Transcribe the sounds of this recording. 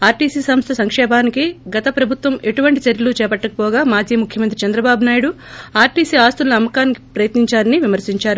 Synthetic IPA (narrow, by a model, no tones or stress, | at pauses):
aːɾʈiːsiːsɐmst̪ʰɐsɐŋkʂɛːbʱaːnikiɡɐt̪ɐpɾɐbʱut̪ʋɐme̞ʈuʋɐɳʈit͡ʃɐɾjɐlut͡ʃɛːpɐʈːɐkɐpɔːɡaːmaːd͡ʒʱiːmukʰjɐmɐnt̪ɾit͡ʃɐnd̪ɾɐbaːbunaːjiɽu | aːɾʈiːsiːaːst̪unlɐɐmːɐkaːniki̥pɾɐjɐt̪niɲt͡ʃaːɾɐniʋimɐɾsiɲt͡ʃaːɾu